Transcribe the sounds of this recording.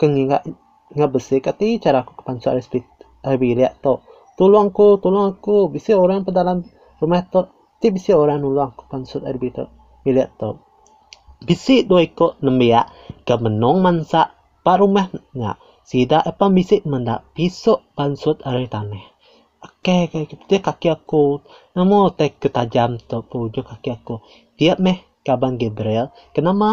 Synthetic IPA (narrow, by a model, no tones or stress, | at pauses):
kəŋiŋa̰ʔ | ŋabəsɪkat̪it͡ʃaɾakukə̥pansʊt̪aɾisbi | aɾbiliaʔt̪oʔ | t̪ulʊaŋkut̪ulaŋakubisiʔoɾaŋpədalam | rumɛht̪oʔ | t̪iʔbisiʔoɾanuluaŋku̥ʔpansʊt̪aɾbit̪o̰ʔ | biliaʔt̪oʔ | bisiʔdoikoʔnəmbiaʔ | kəmənɔŋmansaʔ | paʔɾumɛhɲa̰ʔ | sidaʔəpanbisiʔmənda̰ʔpisoʔpansʊt̪̚aɾit̪anɛh | akekkpt̪iəʔkːakiaku | namot̪akət̪ad͡ʒamt̪oʔpəud͡ʒʊkakiako | t̪iəʔmɛh | kabaŋɡebɾɛl | kənama